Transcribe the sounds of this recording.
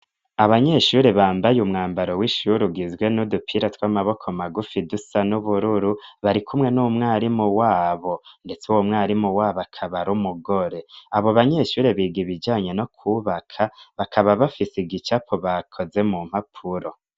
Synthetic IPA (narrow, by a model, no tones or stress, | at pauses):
aβaɲe̞ʃuɾeβaːmbajumŋaːmbaɾo̞wiʃuɾuɡizɡwe̞nudupʰiɾatwamaβo̞kʰo̞maɡufidusanuβuɾuɾuβaɾikʰumŋe̞nuːmŋaːɾimuwaːβo̞nde̞t͡suwomŋaːɾimuwaːβakʰaβaɾumuɡo̞ɾe̞aβoβaɲe̞ʃuːɾeβiːɡiβid͡ʒaːɲe̞no̞kʰuβakʰaβakʰaβaβafisiɡit͡ʃapʰoβakʰo̞ze̞mum̥hapʰuɾo̞